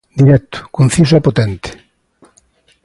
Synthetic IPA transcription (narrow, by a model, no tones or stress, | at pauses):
d̪iɾɛt̪ʊ̥kon̟θis̬ɛpot̪ɛnt̪e̥